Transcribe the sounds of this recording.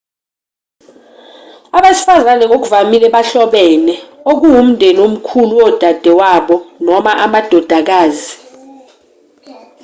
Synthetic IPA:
aɓesi̥fazanɛŋok̬uvamilɛɓaɬɔɓɛnɛok̬uwum̩ndʱɛlom̩kʰuluɔd̥ʱad̥ʱɛwaɓɔnɔmaʔamad̥ʱɔd̥ʱak̬aːzi

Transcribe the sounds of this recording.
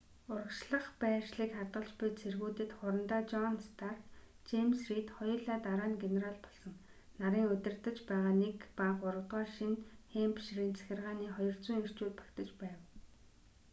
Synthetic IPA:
ʊɾə̆kʃɮə̆χpæːrʃɮiːkχart̪ɢə̆ɮt͡ɕpʊjt͡sʰerɣuːt̪ɘ̆t̪χʊɾə̆nt̪aːt͡ɕɔnst̪ʰax | t͡ɕemsrit̪χɔj̆ɮaːt̪aɾaːnɡeneɾaɮpɔɮsɞ̆ŋ | naɾiːŋɵt̪ɪ̆rt̪ə̆t͡ɕpæːʁaːnekpaχʊɾə̆kt̪ʁɔːʃinxempʃɾiːnt͡sʰæ̥xʲɪ̆rʁaːniːχɔjɞ̆r̥t͡suːŋir̥t͡ɕuːt̪̚pḁkt̪ə̆t͡ɕpæːw

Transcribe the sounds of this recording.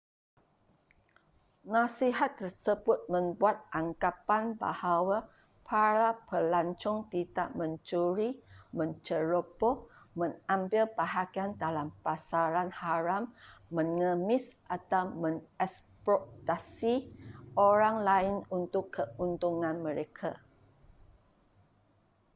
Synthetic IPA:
nãsiɦat̪ːərsəbʊt̪̚mə̃mbuat̪̚ʔaŋkapanba̰hawa | pʰaɾapəlaɲt͡ʃɔŋt̪idaʔmə̃nt͡ʃuɾimə̃nt͡ʃəɾobɔhmə̃ŋambɪlbaɦakiandalampasaɾanhaɾamːə̃ŋəmɪsʔat̪awmə̃ŋɛspɾɔt̪asiʔoɾaŋlaɪnunt̪ʊkʰːəunt̪uŋãnmə̃ɾekʰa

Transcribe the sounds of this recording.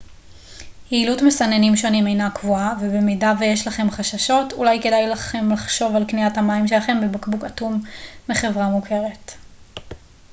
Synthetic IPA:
hiːlutmesanenimʃo̞nime̞jnakvuavebemidavejeʃlaχe̞mχaʃaʃo̞tṵlajke̞dajlaχe̞mlaχʃo̞valkniathamaimʃe̞laχe̞mbebakbukatumːiχe̞vʁamukʰe̞ʁe̞t

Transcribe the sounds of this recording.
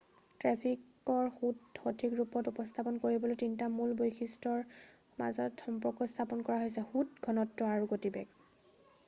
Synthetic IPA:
tɹɛpʰik | ɔɹxuthotʰikɹupɔtupɔstʰapɔnkoɹibɔlojtintamulbojkxʰistɔɹ | ma̰zɔtxɔmpɹɔkɔstʰapɔnkɔɹaɦojsɛxutɡʰʱɔnɔtːɔaɹuɡotibɛ̰ɡ

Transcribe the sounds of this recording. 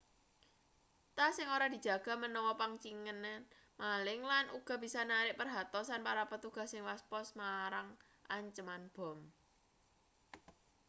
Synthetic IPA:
t̪asɪŋoɾad̪̥i̤̥d͡ʒ̥ä̤ɡ̥a̤mənɔwɔpaŋt͡ʃiŋən | malɪŋlanʔuɡ̥a̤b̥isanaɾɪʔpərɦat̪ɔsanpaɾapət̪uɡ̥a̤hsɪŋwaspɔsmaɾaŋ | ʔaɲt͡ʃəmanb̥ɔ̤m

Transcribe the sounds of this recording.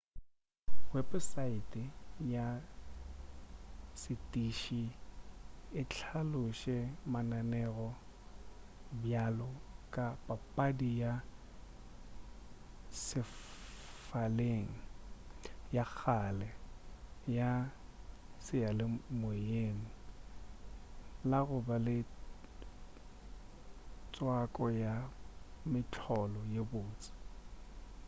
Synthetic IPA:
wɛbsaɪtʼɪja | sɪtʼiʃi | ɪt͡ɬʰalʊʃɛmananɛɣɔ | bjalɔkʼapʼapʼadija | sɪ | faleŋ̩ | jak͡xʰalɛ | ja | sɪjalɪmejeŋ̩ | laɣʊbalɪ | t͡sʼwakʼɔjamɪt͡ɬʰɔlɔjebʊːt͡sʼɪ̥

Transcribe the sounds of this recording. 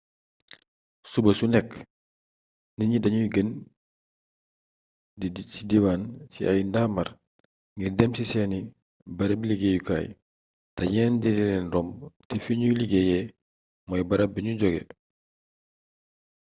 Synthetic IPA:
subɐsunɛk | niɲidɐɲujɡən | didsidiwaːnsḭajndamɐɾ | ŋɡirdɛmsisɛːni | bɐɾɐbiliɡejuka̰ːj | tɐɲɛːndidilɛnrɔmtɛfiɲuliɡejɛ | mɔjbɐɾɐbiɲuɟɔɡɛ̰

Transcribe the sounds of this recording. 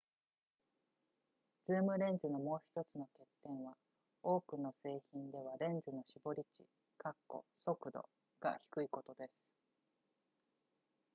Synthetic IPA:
d͡zɨːmɯ̟ɾẽ̞nd͡zɨno̞mo̞ːçi̥t̪o̞t͡sɨno̞ke̞t̪ːẽ̞ɰ̃βa | o̞ːkɯ̟no̞se̞ːçĩnd̪e̞β̞aɾẽ̞nd͡zɨno̞ɕibo̞ɾʲit͡ɕḭ | kakːo̞̰so̞kɯ̟d̪o̞̰ | ɡ̥a̰çi̥kɯ̟iko̞t̪o̞d̪e̞sɨ̥

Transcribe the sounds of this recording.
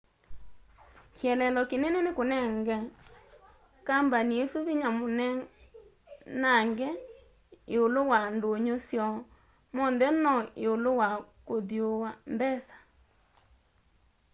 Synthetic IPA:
kjɛlɛlɔkenɛnenekonɛŋɡɛ | kambaniesuβiɲamonɛ | naŋɡɛ | eolowandoɲosjɔ | mɔndɛnɔeolowakoðjowambɛsḁ

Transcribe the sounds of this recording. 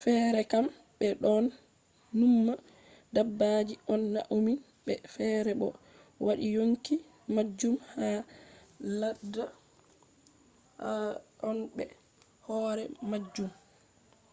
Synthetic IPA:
fɛːɾɛkam | ɓɛɗɔnː | umːa | dabːad͡ʒiʔɔnːa̰ʔomin | ɓɛfɛːɾɛɓɔ̰ | waɗijoŋki | mad͡ʒːumha | lada | ɔnɓɛ̰ | hɔːɾɛmad͡ʒːum

